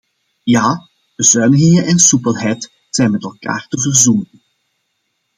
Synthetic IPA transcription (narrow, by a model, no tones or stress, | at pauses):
jaː | b̥əzœːnəɣɪŋəʔɛnsupəlˠɦɛjt | z̥ɛjnmɛtɛlˠka̰ːrtəvərzunən